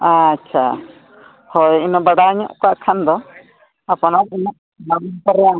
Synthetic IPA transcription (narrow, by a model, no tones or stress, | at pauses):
ãːtːt͡ʃʰa̰ | hɔjinɔbaɽaɲɔʔkɔaʔkʰand̪ɔ | apɔnainɔʔ | baɡinkɔɾɛja